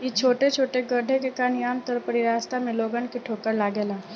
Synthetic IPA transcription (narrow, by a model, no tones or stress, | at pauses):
jit͡ʃʰoːʈet͡ʃʰoːʈeɡəɖʱekekaːnjaːmt̪əɾpəɾiɾaːst̪amẽloːɡənkiʈʰoːkəɾlaːɡeːlãː